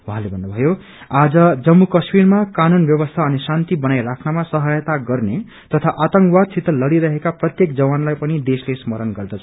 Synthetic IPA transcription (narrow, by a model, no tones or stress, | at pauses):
wɦãlebʱʌnːʌbʱʌjo | ad͡zʌd͡zʌmːukʌsmirmakanunbjʌbʌst̪ʰaʌnisant̪ibʌnajrakʰnamasʌɦʌjʌt̪aɡʌrne | t̪ʌt̪ʰaʔat̪ʌŋkwad̪̚sʰit̪ːʌlʌɽiɾʌɦekaprʌt̪jekd͡zʌwanlajpʌnid̪eslesmʌɾʌnɡʌrd̪ʌt͡sʰʌ